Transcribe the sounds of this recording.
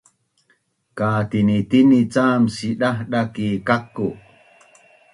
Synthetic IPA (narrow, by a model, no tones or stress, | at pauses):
kaːt̪init̪init͡saːmsiɗahɗakikakːu